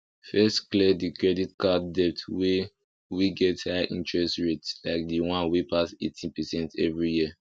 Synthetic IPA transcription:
fɛstklɛdikɹɛditkadɛp̚twe | wiɡɛthaɪʔḭ̃ntɹɛstɹetslaɪk̚diwãnwipasḛtʰĩpɛsɛ̃ntʰɛvɹijiə

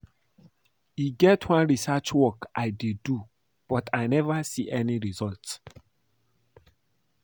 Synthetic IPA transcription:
iɡɛtʰwãnɹisat͡ʃwɔkʔaɪdidu | b̥ɔtʰaɪnɛvasiʔɛniɹizɔlt

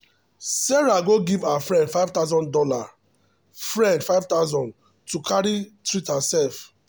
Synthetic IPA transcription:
sɛɹaɡoɡivaafɹɛ̃ndfaɪvtaʊzɔ̃ndɔla | fɹɛ̃ndfaɪvtaʊzɔ̃n | tukʰaɹitɹitãsɛlf

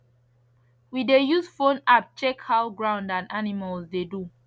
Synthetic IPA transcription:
widejusfõnap̚t͡ʃɛkhawɡɹãʊ̃ndãnanimalzdedu

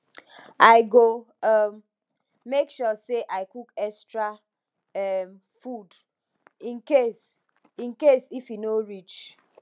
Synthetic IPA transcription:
aɪɡo | m | mekʃɔseʔaɪkukɛstɹa | ɛm | fud | ĩnkes | ĩnkesifinoɾit͡ʃ

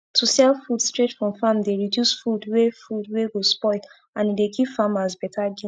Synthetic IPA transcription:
tʰusɛlfudstɹetfɹɔ̃mfamdeɹidjusfudwefudweɡospɔɪl | ãnidekʰipfamazbɛtʰaɡĩ

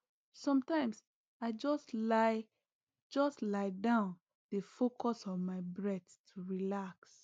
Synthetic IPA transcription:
sɔ̃mtãɪ̃ms | aɪd͡ʒɔsla | d͡ʒɔstlaɪdãʊ̃n | defokʰɔsɔnmaɪbɹɛttʰuɹilaks

